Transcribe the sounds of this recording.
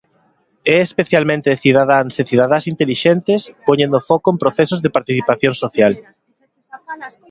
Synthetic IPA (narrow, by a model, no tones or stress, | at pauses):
ɛespeθjalmẽnt̪eθiðaðaŋseθiðaðasint̪eliʃent̪ɪspoɲẽnd̪ofɔkʊempɾoθɛsʊzðepaɾt̪iθipaθjõŋsoθjal